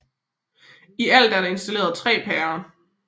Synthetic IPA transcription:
iæl̰d̥æɐɾ̥ɑe̝nsd̥æle̝ːɐð̞̩ˠt͡sʰʁɛ̰ːpʰɛːɐ

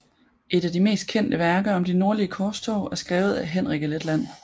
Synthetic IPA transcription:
ʔe̝d̥æd̥ime̝̰ːsd̥̚kʰen̰d̥əʋæɐɡ̥ɐɒ̽md̥ino̝ɐ̰liəkʰɒsd̥ʰɒʊʔæɐsɡ̥ʁɛːʊð̞̩ˠæɦen̰ʁiɡ̥əled̥læn̰

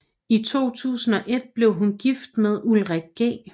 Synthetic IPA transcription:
it͡sʰo̝̰ːt͡sʰṵːsn̩ɒ̽ʔe̝d̥̚b̥le̝ʊɦunɡ̥ifd̥̚með̞ˠulʁɛɡ̥̚ɡ̥ḛː

